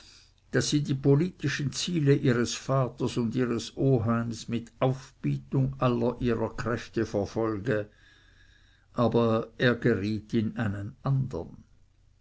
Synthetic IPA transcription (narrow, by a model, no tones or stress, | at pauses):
d̥asiːdiːpʰoliːtɪʃn̩t͡siːləʔiːʁəsfaːtəsʊndiːʁəsʔoːɦaɪmsmɪtʔaʊfb̥iːtʊŋʔalɐʔiːʁɐkʁ̥ɛftəfɛɐfɔlɡə | ʔaːbɐeːɐɡeʁiːtɪnaɪnənʔandə̰n